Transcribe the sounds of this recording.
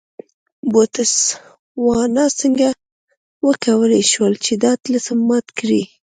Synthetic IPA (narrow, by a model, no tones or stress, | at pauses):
bot̪əs | wɑnɑsəŋɡa | wəkawəleʃwəlt͡ʃed̪ɑt̪ləsəmːɑt̪kɾi